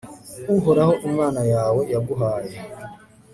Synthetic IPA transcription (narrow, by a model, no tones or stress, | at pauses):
ʊɦʊɾaɦʊʔ̩manajawɔjabʊɦaɾa